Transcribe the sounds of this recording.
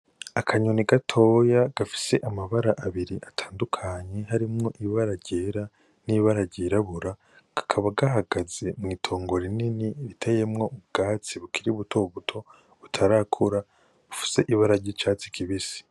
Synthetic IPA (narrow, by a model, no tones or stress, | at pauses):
akʰaɲoniɡatʰo̞jaɡ̥afi̥se̞ʔamaβaɾaʔaβiɾiʔatʰaːndukʰaɲe̞ɦaɾimŋo̞ʔiβaɾaɟeːɾa | niβaɾaɟeːɾaβuɾa | ɡ̥ḁkʰaβaɡaɦaɡaze̞mŋiːtʰo̞ːŋɡo̞ɾininiɾitʰaje̞mŋo̞ʔub̚ɡaːt͡siβukiɾiβutʰo̞βutʰo̞ | βutʰaɾakʰuɾa | βufi̥se̞ʔiβaɾaɟit͡ʃat͡si̥kʰiβisi̥